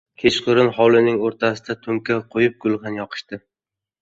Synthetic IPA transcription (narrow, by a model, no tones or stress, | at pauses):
kʲʰe̞t͡ʃqʰʊɾɪnχɒlˠɪnɪŋoɾt̪ʰasɪ̥d̪at̪ʰʊmkʲaqʰojɪp̚ɡʊlˠχɑnjɒqʰɨ̥ʃt̪ɪ